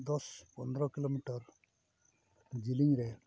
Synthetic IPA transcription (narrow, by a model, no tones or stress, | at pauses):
d̪ɔspɔnd̪ɾɔkilomiʈɔɾ | d͡ʒiliŋɾe